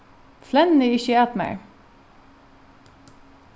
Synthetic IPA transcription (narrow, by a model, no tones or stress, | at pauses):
flɛnnəɪçəæːt̪mæ̰ɪ